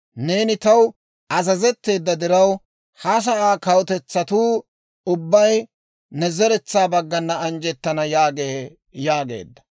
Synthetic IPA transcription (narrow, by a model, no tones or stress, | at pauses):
ne̞ːnɪt̪ɐw | ʔɐzɐzɛt̪ːe̞ːd̪ːɐd̪ɪɾɐw | hɐs̬ɐʔaːkɐwt̪ɛt͡sːɐt̪uː | ʊbːɐj | nɛzɛɾɛt͡sːaːbɐɡːɐnːɐɐnd͡ʒɛt̪ːɐnɐjaːɡe | jaːɡe̞̰ːd̪ːɐ̥